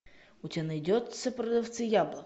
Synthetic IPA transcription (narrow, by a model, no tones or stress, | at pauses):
ʊtʲanɐjdʲɔt̪sʲəpɾɐd̪ɐft̪sɨjablˠə